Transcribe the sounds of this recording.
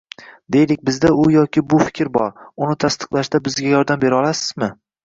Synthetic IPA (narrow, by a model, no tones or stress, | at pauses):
d̪e̞jlɪk̚ʲbɪzd̪aʊjɒkʲɪbʊfɪ̥kʲɾbɒ̰ɾʊnɪt̪ʰast̪ɨ̥qlˠaʃd̪abɪzɡʲajɒɾd̪ambe̞ɾɒlˠasɪzmɪ